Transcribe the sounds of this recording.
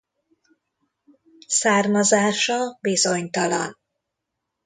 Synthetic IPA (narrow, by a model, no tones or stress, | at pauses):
saːrmɒzaːʃɒbizoɲt̪ɒlɒ̰n